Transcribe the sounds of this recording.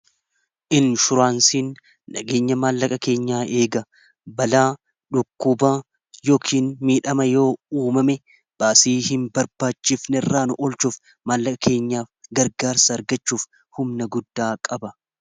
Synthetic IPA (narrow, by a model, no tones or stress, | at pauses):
ʔɪnʃʊɾaːnsiːnː | ɐɡe̞ːɲːɐmaːlːɐkʼɐke̞ːɲːaːʔe̞ːɡɐ | bɐlaː | ᶑʊkːʊbaː | joːkʰiːnmiːᶑɐmɐjo̞ːuːmɐmɛ | b̥aːsiːhɪmbɐɾbaːt͡ʃːɪfnɛrːaːnʊʔɔlt͡ʃuːf | maːlːɐkʼɐkʰe̞ːɲːaːfɡɐɾɡaːɾsɐːɾɡɐt͡ʃːuːf | hʊmnɐɡʊd̪ːaːkʼɐbɐ